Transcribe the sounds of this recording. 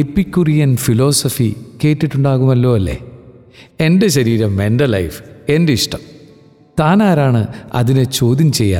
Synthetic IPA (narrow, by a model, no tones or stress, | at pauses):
epːikʲːurijɐnfilo̞ːsɐfike̞ːʈːiʈːuɳɖaːɣumɐlːo̞ːɐlːe̞̰ː | e̞nde̞ɕɐɾiːɾɐmːendɐlɐ̰jfende̞iʂʈɐm | t̪aːnaːɾaːɳɨɐ̰ðinɨt͡ɕoːd̪imt͡ɕe̞jːa̰ː